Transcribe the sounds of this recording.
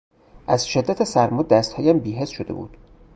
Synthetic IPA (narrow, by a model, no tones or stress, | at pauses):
ʔæzʃe̞d̪ːæt̪ʰesæɾmod̪̚d̪æst̪hɒːjæmbiːɦe̞sʃod̪e̞̰bṵːd̪̥